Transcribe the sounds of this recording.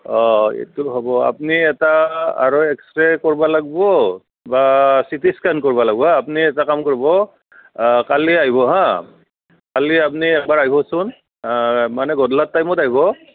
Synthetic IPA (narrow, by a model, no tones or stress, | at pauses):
ɔḛtuɦɔbɔa̰pniɛtaa̰ɹoɛkstɹɛkoɹibalaɡbɔ | basitiskankoɹibalaɡbɔapniɛtakamkoɹibɔ | kaliaɦibɔɦã | kaliap̬niɛk̚baɹaɦibɔsʊn | manɛɡɔdlat̚ːajmɔtaɦibɔ